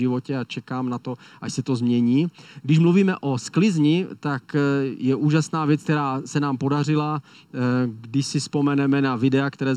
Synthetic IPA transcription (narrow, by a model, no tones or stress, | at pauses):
ɪvocɛat͡ʃɛkaːmnat̪oʔaʃsɛt̪ozmɲɛɲiːɡdɪʃmluviːmɛʔo̞sklɪzɲɪt̪akjɛʔuːʒasnaːvjɛt͡sk̚t̪ɛɾaːsɛnaːmpo̞dar̝ɪla | ɡdɪʃsɪfspo̞mɛnɛmɛnavɪdɛakt̪ɛɾɛː